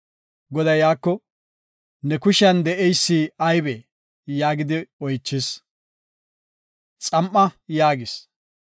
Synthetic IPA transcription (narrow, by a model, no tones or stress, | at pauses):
ɡɔd̪ɐjaːkːɔ | nɛkʊʃɐnd̪ɛʔɛjsːiɐjbe | jaːɡɪd̪ɪɔjt͡ʃːɪs | t͡sʼɐmʔːɐjaːɡɪs